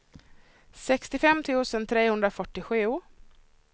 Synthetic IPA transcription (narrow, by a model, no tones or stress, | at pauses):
sɛkst̪ɪfɛmːt̪ʰʉ̟ːsənt̪ʰɾeːhɵnd̪ɾafœʈːɪɧʉ̟ː